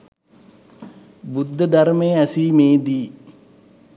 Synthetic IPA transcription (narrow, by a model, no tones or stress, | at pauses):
bud̪ʱːəd̪aɾmejəæsiːmeːd̪iː